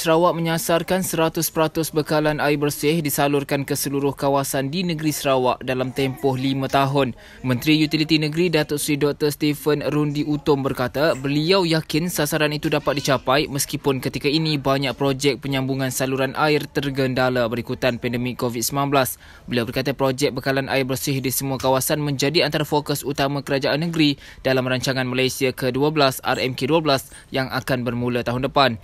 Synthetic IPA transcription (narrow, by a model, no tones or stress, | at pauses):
səɾawaʔmə̃ɲasarkansəɾat̪ʊspəɾat̪ʊsbəkalanaɪbərsɪhdisalʊrkankəsəluɾʊhkawasandinə̃ɡɾisəɾawaʔdalamt̪ɛmpɔhlimãt̪aɦʊn | mə̃nt̪ɾijut̪ilit̪inə̃ɡɾidat̪ʊʔsɾidɔk̚t̪ərst̪ifənɾundiʔut̪ʊmbərkat̪abəliawjakɪnsasaɾanit̪udapat̪̚dit͡ʃapajməskipʊnkət̪ikainĩbaɲak̚pɾod͡ʒɛk̚pəɲãmbuŋãnsaluɾanʔaɪrt̪ərɡəndalabəɾikut̪anpɛndəmɪkːovit̪̚səminanbəlas | bəliawbərkat̪apɾod͡ʒɛk̚bəkalanʔa̰ɪrbərsɪhdisəmuakawasanmə̃ɲd͡ʒadiant̪aɾafokʊsut̪amãkəɾad͡ʒaʔanːəɡɾi | d̥alamraɲt͡ʃaŋãnmalajsiakəduabəlasa̰rɛmkeduablas | jaŋʔakanbərmũlat̪aɦʊndəpan